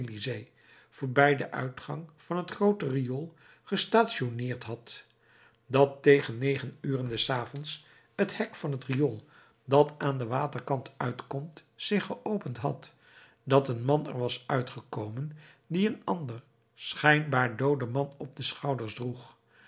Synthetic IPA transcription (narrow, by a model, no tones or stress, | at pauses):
lizej | v̥ʊːɹbɛjdəʔœ̰ɥtχɑ̰ŋv̥ɑnɦətχrowtəriolˠ | χəstaːtʃonɪːɹtɦɑt | dɑtːejχənːejχənyːrəndɛsaːvɔns | həthɛkfɑnətriɔlˠ | dɑtaːndəʋaːtəɹkɑntœɥtkɔmtsɪχəʔowpəntɦɑ̰t | dɑtənmɑnɛ̰ɹʋɑsœɥtχəkowmən | diənɑndər | sχɛjnbaːɹdowdəmɑnɔb̚dəsχɑwdəɹsdruχ